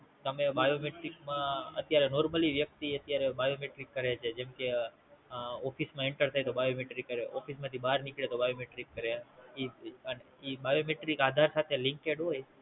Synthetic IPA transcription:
t̪əmebajomeʈɾikmãə̰t̪jaɾenɔɾməliʋjək̚t̪iət̪jaɾebajomeʈɾikːəɾet͡ʃʰed͡ʒɛmke | ɔfʰismãeɳʈəɾt̪ʰajt̪obajomeʈɾikːəɾeʔɔfʰismãt̪ʰibaɾnikɭet̪obajomeʈɾikːəɾeiəne | ibajomeʈɾikad̪ʱaɾsat̪ʰelĩŋkeɖɦoj

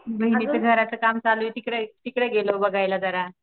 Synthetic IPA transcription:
bʱəɦinieɡʱəɾat͡səkamt͡salujt̪ikɽet̪ikɽeɡelobəɡʱajlad͡z̪əɾa

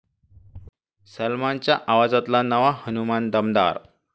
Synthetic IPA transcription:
səlmant͡ɕjaʔaʋad͡zat̪lanəʋahənumand̪əmd̪a̰ɾ

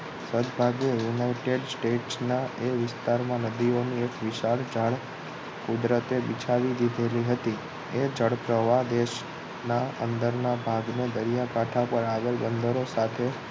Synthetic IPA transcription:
səd̪bʱaɡejunaiʈeɖsʈeʈsnaeʋɪst̪aɾmãnəd̪ioniekʋɪʃaɭd͡ʒəɭ | kud̪ɾət̪ebɪt͡ʃʰaʋid̪id̪ʱeliɦət̪i | ed͡ʒəɽpɾəʋad̪eʃ | naə̰nd̪əɾnabʱaɡned̪əɾijakaʈʰapəɾaɡəɾbənd̪ʱəɾosat̪ʰe

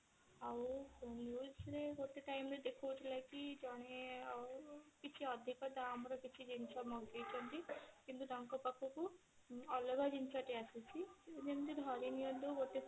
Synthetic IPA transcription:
awnjuːsɾeɡoʈeʈajmɾed̪ekʰɔwt͡ʃʰlakid͡ʒɔɽ̃e | kit͡ʃʰiɔd̪ʱikɔt̪aːmɾɔkit͡ʃʰid͡ʒint͡ʃamɔɡejt͡ʃʰɔnt̪ikint̪ud̪aŋkɔpakʰuku | ɔlɔɡʱad͡ʒint͡ʃaʈeasit͡ʃʰid͡ʒent̪id̪ʱɔɾinijɔd̪uɡoʈe

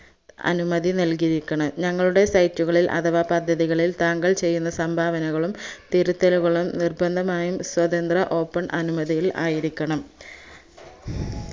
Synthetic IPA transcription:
ɐ̰numɐðinɐlkiɾikʲːɐɳɐɲɐŋːɐɭuɽe̞sɐjtːuɣɐɭilʔɐ̰t̪ɐʋapɐd̪ʱːɐðiɣɐɭilt̪aːŋɡɐɭt͡ɕe̞jːunːɐsɐmbʱaːʋɐnɐɣɐɭumt̪iɾut̪ːɐluɣɐɭumnirbɐnd̪ʱɐmaːjumswɐðɐnd̪rɐʔo̞ːpːɐɳʔɐnumɐðijila̰ːjiɾikʲːɐɳɐm

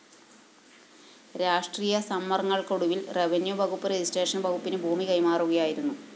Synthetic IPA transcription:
ɾaːʂʈriːjɐsɐmːɐrŋːɐɭkoɽuʋilreʋenjubʱɐɣupːɨɾed͡ʑisʈe̞ːʂɐnbɐɣupːinɨbʱuːmikɐjmaːruɣɐjaːjiɾunːu

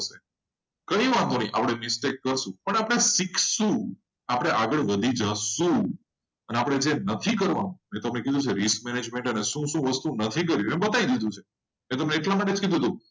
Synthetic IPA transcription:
ʃe | kəĩʋãd̪onĩʔa̰pɽ̃emɪsʈekːəɾʃũpəɳapəɽ̃esiksũ | apəɽ̃eʔaɡəɭʋəd̪ʱid͡ʒasũ | əneapɽ̃ed͡ʒenət̪ʰikəɾʋa̰nũmẽt̪oəmnekid̪ʱũt͡ʃʰeɾisk̚mɛned͡ʒmẽɳʈəneʃũʃũʋəst̪ũnət̪ʰikəɾjimebət̪aid̪id̪ʱũt͡ʃʰe | met̪̬əmneːʈlamaʈed͡ʒkid̪ʱut̪ũ

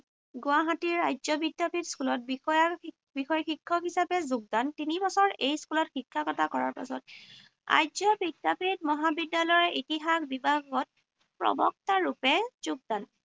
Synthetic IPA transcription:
ɡʊaɦatiɹajzɔbidapʰitskulɔt̚bixɔja | bixɔjxikʰːɔkɦisapɛzʊɡ̚dantinibɔsɔɹejskulɔtxikʰːakɔtakɔɹa̰ɹpa̰sɔt | a̰jzɔbidːapit̚mɔɦabidːalɔjitiɦaxbibʱaɡɔt̚ | pɹɔ̰bɔ̰k̚taɹupɛz̥uɡ̚dan

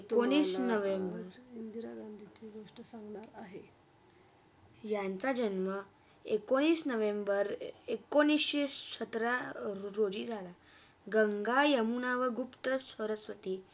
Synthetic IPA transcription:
ekoɽ̃iːsnəʋembəɾind̪iɾaɡand̪ʱit͡seɡoʂʈəsãŋɡnaɾaɦe | jãnt͡sad͡ʑənmə | ekoɽ̃iːsnəʋembəɾekoñisɕeɕət̪ɾaɾod͡ʑiːd͡zʱala | ɡəŋɡajəmunaʋəɡupt̪əsʋəɾəsʋət̪iː

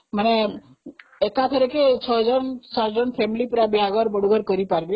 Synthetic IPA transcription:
mane | ekat̪ʰəɾeket͡ʃʰɔɦd͡ʒɔnsat̪d͡ʒɔnpʰemilipɾabiɦaɡɔɾbɔɽuɡɔɾkɔɾipaɾbi

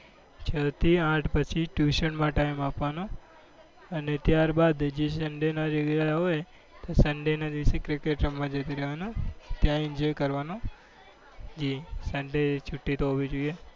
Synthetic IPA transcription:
t͡ʃʰət̪ʰiãʈʰpət͡ʃʰiʈjuʃənmãʈaimapʋano | ənet̪jaɾbad̪d͡ʒesəɳɖenaɾiɡjaəoe | t̪osəɳɖenad̪isekɾikeʈɾəmːãd͡ʒət̪iɾeɦʋanõt̪jãɪɲd͡ʒɔjkəɾʋano | d͡ʒisəɳɖet͡ʃʰuʈːit̪oɦoʋid͡ʒuie

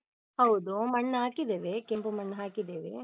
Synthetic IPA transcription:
hɐwd̪umɐɳːɐɦaːkid̪eːʋekempumɐɳːɐɦaːkid̪eːʋḛ

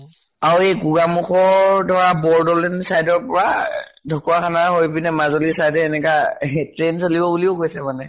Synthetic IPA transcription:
aɹuejɡuɡamuxʰɔdʱɔɹabɔɹdɔlɛnsajdɔɹpɔɹadʱɔkuakʰanaɦojbinɛmazolisajdɛːnɛkatɹensolibɔbuliʊɡojsɛmanɛ

